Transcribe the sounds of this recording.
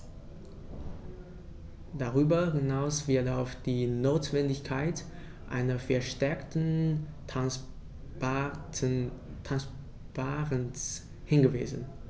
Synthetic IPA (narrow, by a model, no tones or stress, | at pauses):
d̥aʁyːbɐhɪnaʊsv̥ɪɐtaʊfd̥iːnoːtv̥ɛndɪçkʰaɪt | ʔa̰ɪnɐfɛɐʃtɛɐktn̩ | tʰans | b̥aːʁəns | hɪnɡəvḭːzn̩